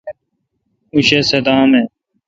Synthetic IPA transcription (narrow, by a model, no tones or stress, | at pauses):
uɕeːsed̪aːmẽː